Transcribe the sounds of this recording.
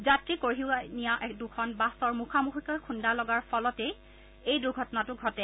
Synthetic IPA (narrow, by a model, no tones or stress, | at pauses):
zatɹikoɹɦiwanijaʔɛkdukʰɔnbasɔɹmukʰamuxikɔjkʰundalɔɡaɹpʰɔlɔtej | ejduɹɡʱɔtɔnatʊɡʱɔtɛ